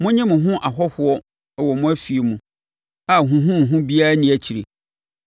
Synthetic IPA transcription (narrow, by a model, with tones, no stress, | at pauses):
mʊ̃˦ɲɪ̃˦mʊ̃˨ɦʊ̃˦ʔa˨ɦɔ˦hʊ˦ɔ˦˨ | wɔ˨mʊ̃˦æ˦fi˨e˨mʊ̃˨ | a˨ɦʊ̃˨ɦʊ̃˦n̩˨ɦʊ̃˦bi˦a˦ɾa˦nɪ̃˨˦æ˨t͡ɕʰi˨ɾe˨